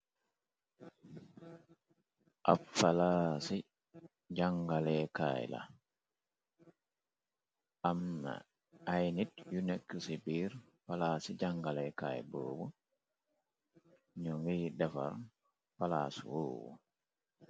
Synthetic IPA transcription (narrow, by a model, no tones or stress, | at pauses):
ʔa̰falaːsi | d͡ʒaŋɡalɛka̰ːj̰la̰ | ʔamna̰ː | jnitjunɛkːusibiɾ | palaːsid͡ʒaŋɡalɛka̰ːjbo̰ːbu | ɲɔŋidafa̰ɾ | palaːsṵwoːwṵ